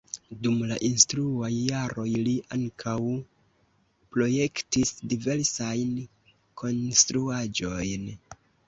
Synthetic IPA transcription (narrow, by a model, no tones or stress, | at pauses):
dumlaʔinstɾuajːaɾo̞jliʔaŋkʰaw | pɾo̞je̞ktisdive̞ɾsajn | kʰo̞nstɾuad͡ʒo̞jn